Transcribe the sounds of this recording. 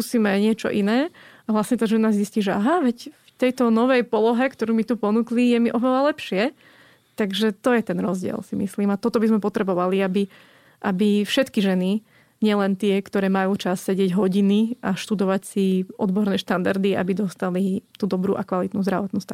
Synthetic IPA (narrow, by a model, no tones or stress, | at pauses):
usiːmɛɲɪɛt͡ʃɔ̰ʔinɛːaʋlasɲɛt̪aːʒɛnazzisciːʒɛaɦaʋɛcft̪ɛjt̪ɔnɔʋɛjpɔlɔɦɛkt̪ɔɾuːmit̪upɔnuklijɛmiʔɔʋɛlalɛpʃɪɛ | t̪aɡʒɛt̪ɔjɛt̪ɛnɾɔzɟɪɛ̰lsimḭsliːmat̪ɔt̪ɔbizmɛpɔt̪ɾɛbɔʋaliabi | ʔabifʃɛt̪kiʒɛni | ɲɪɛlɛnt̪ɪɛkt̪ɔɾɛːmajuːt͡ʃasːɛɟɪɛɟɦɔɟiniaʃt̪ud̪ɔʋacsiʔɔd̪bɔɾnɛːʃt̪and̪aɾd̪ia̰bid̪ɔst̪alit̪ud̪ɔbɾṵːʔakʋalit̪nuːzd̪ɾaʋɔt̪nuːst̪a